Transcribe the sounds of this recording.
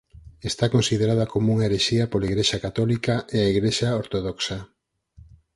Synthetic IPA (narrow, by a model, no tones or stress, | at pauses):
est̪akonsiðeɾaðɐkomouŋaeɾeʃiɐpolaiɣɾeʃakat̪ɔlikɐʔeaiɣɾeʃaoɾt̪oðɔksɐ